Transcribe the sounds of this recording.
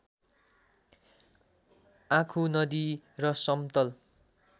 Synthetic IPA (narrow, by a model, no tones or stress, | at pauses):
ãkʰunʌd̪irʌsʌmt̪ʌl